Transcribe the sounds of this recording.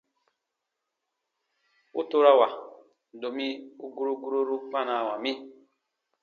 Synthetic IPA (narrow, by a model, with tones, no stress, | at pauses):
ṵ˦to˦ɾa˦wa˨ | do˨mi˦u˦ɡu˦ɾu˦ɡu˦ɾo˦ɾu˦k͡pa˦˨na˨wa˨mi˦